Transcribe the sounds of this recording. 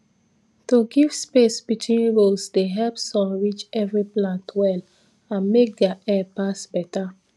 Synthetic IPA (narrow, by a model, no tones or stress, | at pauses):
toɡiv̥spesbitʰwĩnɹolsdeɦɛlpsɔ̃nɹit͡ʃɛvɹiplãntwɛl | ãnmek̚ɡaɛpasbɛta